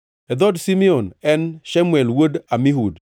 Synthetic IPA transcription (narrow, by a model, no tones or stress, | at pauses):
ɛd̪ɔdsimionɛnʃamwɛlwodamiɦud